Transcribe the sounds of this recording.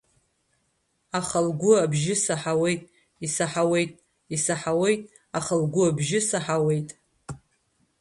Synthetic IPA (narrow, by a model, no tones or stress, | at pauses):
aχəlɡʷʊabʒɪsaħawe̞jtʼ | isaħawe̞jtʼ | isaħawe̞jtʼ | aχəlɡʷʊabʒɪsaħawe̞jtʼ